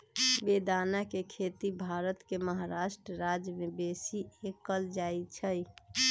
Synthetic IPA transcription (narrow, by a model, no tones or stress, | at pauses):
ʋed̪aːnakekʰet̪ibʱaːɾət̪keməɦaɾaʃʈɾəɾad͡ʒjəmẽbesiekːəld͡ʒaːit͡ʃʰəj